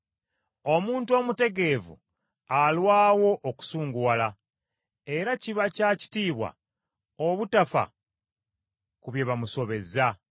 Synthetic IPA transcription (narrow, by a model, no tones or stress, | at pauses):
o̞muːntuo̞ːmute̞ɡe̞vṵ | alwaːwo̞ʔːku̥suːŋɡuwala | e̞ɾaciβacaci̥tiːβwa̰ | oβutafa̰ | kuβje̞βamuso̞βe̞za